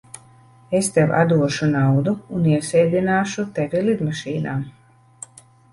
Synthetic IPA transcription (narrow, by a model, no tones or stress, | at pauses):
est̪ɛwa̰d̪uɔʃunawd̪uuniɛsɛːd̪ʲinaːʃut̪evʲilid̪maʃiːnaːm